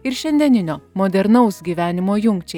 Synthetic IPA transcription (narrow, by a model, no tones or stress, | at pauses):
ɪɾʃʲɛnʲd̪ʲɛnʲɪnʲoːmɔd̪ʲɛɾnɐʊsɡʲiːʋʲæːnʲɪmoːjʊŋkt͡ʃʲɛ